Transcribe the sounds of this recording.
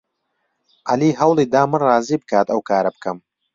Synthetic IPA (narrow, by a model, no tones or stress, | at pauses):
ʔaliːɦɐwlˠiːd̪aːmɨnrɑːziːbɨkʰaːt̪ɐwkʰaːɾɐbɨkʰɐm